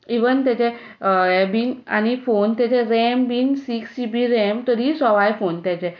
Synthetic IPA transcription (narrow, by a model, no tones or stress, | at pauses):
iʋənt̪jat͡ɕe | ɛbina̰ñifont̪jat͡ɕeɾɛmbinsiksibiɾɛmt̪əɾisɔʋajfont̪jat͡ɕɛ